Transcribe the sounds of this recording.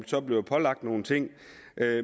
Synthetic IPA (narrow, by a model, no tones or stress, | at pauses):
sɒ̽b̥le̝pʰɒ̽lɑ̈ɡ̥̚d̥no̝ːn̩t͡sʰe̝ŋ̰ | ʔø